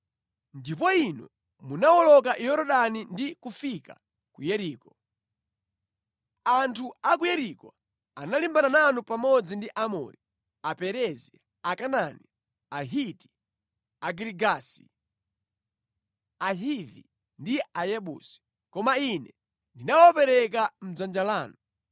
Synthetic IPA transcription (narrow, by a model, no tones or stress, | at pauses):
ndipɔinɔ̰ | munawɔlɔk̬ajɔɾɔɗanindikufika | kujɛɾiːkɔ | antʰuakujɛɾikɔ̰ | analimbanananupamɔd͡zindiʔamɔ̰ɾi | apɛɾɛzi | akanani | aɦiti̥ | aɡɾiɡasi̥ | aɦivḭ | ndiajɛɓṵsi̥ | kɔmainɛ | ndinawɔpɛɾɛk̬am̩zand͡ʒalaːnu